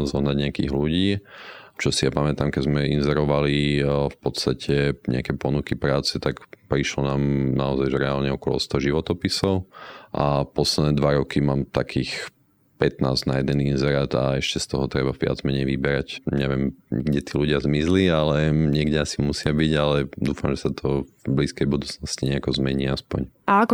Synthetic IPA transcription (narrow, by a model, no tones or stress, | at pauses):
zɔɦnaɟɲɪakiːɣluɟiːt͡ʃɔsijapamɛt̪aːmkɛzmɛinzɛɾɔʋalifpɔt̪st̪acʰɛɲ̰akɛːpɔnukipɾaːt͡sɛt̪akpɾiʃlɔnaːmnaɔzajʒɾɛaːlɲɛɔkɔlɔ̰st̪ɔʒiʋɔt̪ɔpisɔʊʔapɔslɛd̪nɛːd̪ʋaɾɔkimaːmt̪akʰiːx | pɛt̪na̰ːzɟnajɛd̪ɛninzɛɾat̪a̰ɛʃcɛst̪ɔɦɔt̪ɾɛbavɪa̰d͡zmɛɲɛjʋibɛɾacɲɛʋɪɛmɡɟɛt̪iːluɟɪazmizlialɛɲɛɡɟɛasimusɪabiɟalɛd̪uːfamʒɛsat̪ʰɔvbliːskɛjbud̪uːt͡snɔsciɲɛakɔzmɛɲiaspɔɲʔaakɔ